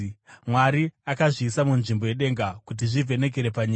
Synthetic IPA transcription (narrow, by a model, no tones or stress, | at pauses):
mwaɾiakaʐiːsamunʐimbo̞je̞ɗe̞ŋɡakut̬iʐivʱe̞ne̞k̬eɾe̞paɲiːa